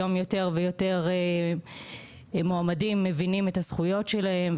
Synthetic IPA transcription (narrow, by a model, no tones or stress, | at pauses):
o̞mjo̞te̞ʁvejo̞te̞ʁ | moamadimːevinimet̪asχujo̞tʃelahe̞m